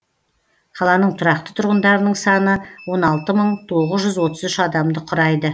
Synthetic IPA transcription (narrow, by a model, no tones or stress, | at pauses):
qʰɑlˠɑnəɴt̪ʰʊɾɑq̚t̪ə̥t̪ʰʊɾʁənd̪ɑɾənəɴsɑnəwo̞nɑlˠt̪əməɴt̪ʰo̞ʁəzʒʏzwo̞t̪əzʏʃɑd̪ɑmd̪əqʰʊɾɑjd̪ə